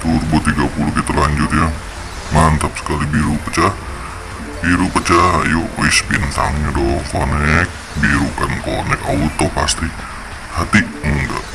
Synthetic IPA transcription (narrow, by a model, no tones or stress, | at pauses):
t̪urbɔt̪iɡapulukit̪alaɲd͡ʒut̪̚ja | mant̪ap̚sə̥kalibiɾupət͡ʃah | biɾupət͡ʃajɔisbint̪a̰ŋɲadoŋkonɛk̚ | biɾukankonɛkaut̪ːɔpast̪i | hat̪i | əŋɡa̰ʔ